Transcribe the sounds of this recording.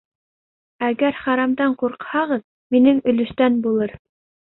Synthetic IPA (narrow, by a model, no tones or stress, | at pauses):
æɡæɾχɑɾɑmd̪ɑɴquɾqhɑʁɤð | minɘŋɵ̆lɵ̆ʃt̪ænbulˠɤɾ